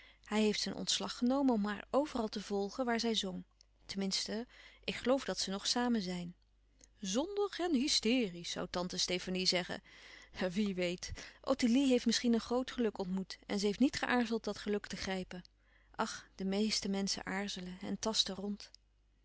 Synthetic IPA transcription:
hɛjɦejftsənʔɔ̰ntslɑχənowmənɔmɦaːɹowvərɑlˠtəv̥ɔlˠχəʋaːɹzɛjzɔŋ | təmɪnstəʔɪkχəlowvdɑtsənɔχsaːmənzɛjn | zɔndəχɛnɦɪstɪːrisːɑ̰wtɑntəstejfanizɛχə̰ | ʋiʋejtʔo̰tiliɦejftmɪsχinənχrowtχəlɵkɔntmutɛ̰nzəɦejftnitχəʔaːɹzəlˠt̚dɑtχəlɵktəχrɛjpən | ʔɑχd̥əmejstəmɛnsə̰ʔaːɹzələɛ̰ntɑstərɔnt

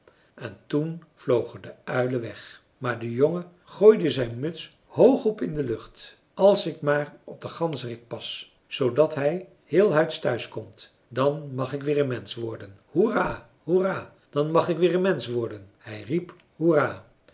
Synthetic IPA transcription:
ɛntunv̥lowχədəœɥləʋɛχ | maːɹdəjoŋə | χoːjdəzɛjnmɵts | howχɔpɪndəlɵχt | ɑlˠsɪkmaːrɔb̚dəχɑnzərɪk̚pɑs | zowdɑtɦɛj | hɪːlˠɦœɥtstœɥskɔmt | dɑnmɑχɪkʋɪːrənmɛnsʋɔɹdən | huraː | huraː | d̥ɑnmɑχɪkʋɪːɹənmɛnsʋɔɹdənhɛjrip | huraː

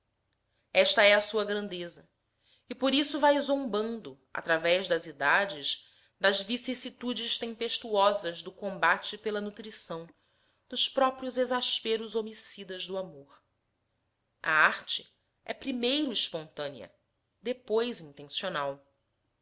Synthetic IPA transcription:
ɛʃt̪ɐɛɐsuɐɡɾɐ̃nd̪ezɐ | ɪpoɾisʊvajzõmbɐ̃nd̪ʊ | a̰t̪ɾavɛʒd̪ɐzid̪ad͡ʒɪʃ | d̪ɐzvisisit̪ud͡ʒɪʃt̪ẽmpeʃt̪uɔzɐzd̪ʊkõmbat͡ʃɪpelɐnut̪ɾisɐ̃w̃ | d̪ʊspɾɔpɾijʊzezaʃpeɾʊzomisid̪ɐʒd̪ʊamoɾ | a̰aɾt͡ʃɪ̥ | ɛpɾimejɾʊiʃpõnt̪ɐ̃niɐ̰ | d̪epojzĩnt̪ẽsionaw

